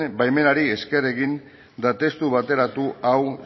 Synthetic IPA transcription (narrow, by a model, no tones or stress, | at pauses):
bajme̞naɾie̞ske̞re̞ɣin | d̪at̪e̞st̪uβat̪e̞ɾat̪uaw